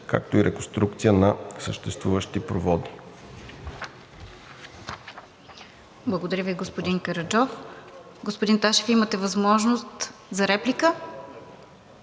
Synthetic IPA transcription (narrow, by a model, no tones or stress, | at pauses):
ka̰k̚t̪oiɾɛkõnst̪ɾuk̚t̪sijənɐsəʃt̪ɛst̪vuvəʃt̪ipɾovɔd̪i | blˠəɡod̪ɐɾʲəviɡospod̪iŋkɐɾɐd͡ʒɔf | ɡospod̪int̪aʃɛ̥fimət̪ɛvɐzmɔʒnost̪zɐɾɛplikə